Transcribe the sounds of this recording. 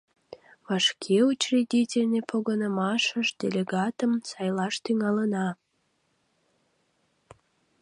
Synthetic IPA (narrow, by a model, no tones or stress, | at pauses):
βɑʃkʰeut͡ɕridʲitʲelʲnʲepʰoɣənəmɑʃəʒd̪ʲelʲeɡɑt̪əmsɑjlɑʃt̪yŋɑlənɑ